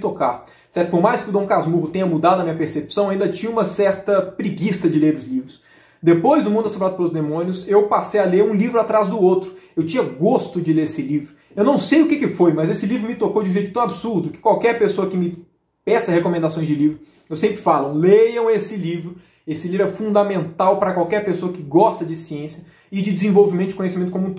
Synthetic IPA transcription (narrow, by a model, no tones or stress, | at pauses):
t̪okaɾ | sɛɾt̪ʊpoɾmajskɪʊd̪õw̃kazmuɦʊt̪ẽɲɐmud̪ad̪ʊɐmĩɲɐpeɾsepsɐ̃w̃aĩd̪ɐt͡ʃĩɲɐ̃ũmɐsɛɾt̪ɐpɾiɡisɐd͡ʒɪleɾʊzlivɾʊs | d̪epojzd̪ʊmũd̪ʊɛsobɾad̪ʊpelʊzd̪emõnjʊsewpasejaleɾũlivɾʊat̪ɾazd̪ʊowt̪ɾʊewt͡ʃĩɲɐɡost̪ʊd͡ʒɪleɾesɪlivɾʊ | ewnɐ̃w̃sejʊkekɪfojmɐzesɪlivɾʊmɪt̪okowd͡ʒɪũʒejt̪ʊ̥t̪ɐ̃w̃absuɾd̪ʊkɪ̥kwawkɛɾpesoɐkɪmɪ | pɛsɐhekomẽnd̪asõj̃zd͡ʒɪlivɾʊ | ewsẽmpɾɪfalɐ̃w̃lejɐ̃w̃esɪlivɾʊ | esɪlivɾʊɛfũnd̪amẽnt̪awpɾɐkwawkɛɾpesoɐkɪɡɔst̪ɐd͡ʒɪsiẽsjɐ | ɪd͡ʒɪd͡ʒɪzẽvowvimẽt̪ʊɪ̥kõɲes̬imẽnt̪ʊkomũt̪